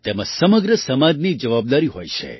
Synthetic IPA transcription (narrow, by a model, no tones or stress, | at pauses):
t̪emãsəməɡɾəsəmãd͡ʒnid͡ʒəʋab̚d̪aɾiɦojt͡ʃʰḛ